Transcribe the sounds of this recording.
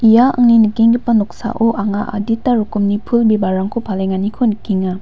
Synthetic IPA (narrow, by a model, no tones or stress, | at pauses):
ijaa̰ŋninikiŋɡipːanɔksa̰ʔoʔaŋaʔa̰ditːaɾukumnipʰulbebaɾaŋkʰopʰaleŋanikʰonɯkiŋa